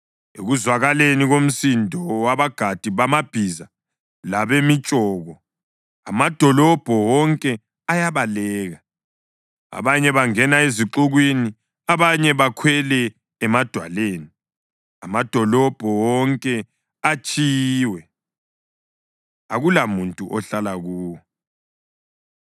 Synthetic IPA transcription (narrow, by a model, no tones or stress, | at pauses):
ḛɣuzwaɣaleniɣom̩sindʱɔwaβaɡ̥ʱad̥ʱiβamab̥ʱiza | laβemit͡ʃʼɔːɣɔ | amad̥ʱɔlɔb̥ʱɔwɔŋkʼɛ | ajaβalɛːɣa | a̰βaɲɛβaŋɛnaeziǁuɣwini | aβaɲɛβakʰwɛlɛ | ɛmad̥ʱwa̰leːni | a̰mad̥ʱɔlɔb̥ʱɔwɔŋkʼɛ | at͡ʃʼiːwɛ | aɣulamuntʼuʔɔɬalaɣuːwɔ